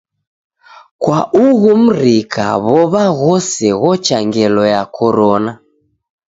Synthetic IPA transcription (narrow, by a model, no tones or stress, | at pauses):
kwaʔuɣum̩ɾikʰa̰βɔβaɣɔsɛɣɔt͡ʃaŋɡɛlɔjakʰɔɾɔna